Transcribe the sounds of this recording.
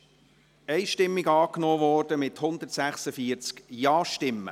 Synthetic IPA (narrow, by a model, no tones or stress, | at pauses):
ɛɪʃtɪmːiɡɑːknɔːvɔːrd̥əmɪthʊnd̪ərtsæχsəfiːəɾt͡skjɑːʃtɪmːə̰